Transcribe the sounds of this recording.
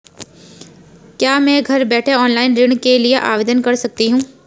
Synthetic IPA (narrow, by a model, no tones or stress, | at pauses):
kjaːmɛ̃ːɡʱɐɾbɛːʈʰeɔːnlaːɪnɾɪɽ̃kelieʔa̰ːʋeːd̪ənkɐɾsɐk̚t̪iɦũː